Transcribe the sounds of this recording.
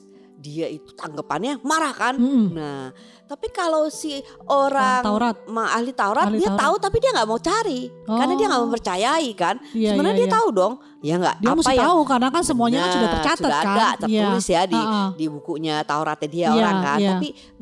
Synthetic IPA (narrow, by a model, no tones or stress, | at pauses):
diait̪u̥t̪aŋɡəpanɲamaɾahkanna | t̪apikalowsiʔoɾaŋaɾat̪̚maa̰hlit̪auɾat̪diat̪aut̪apidiaŋɡaʔmaut͡ʃaɾikaɾənadiaŋɡaʔməmpərt͡ʃajaikansəbənɲadiat̪audɔŋ | jaŋɡa̰ʔdiamustajtaaukarnakansəmuaɲaudat͡ʃatsuadaadat̪əɾɪsjadidibukuɲat̪auɾa̰t̪ɲadiaoɾaŋka̰napi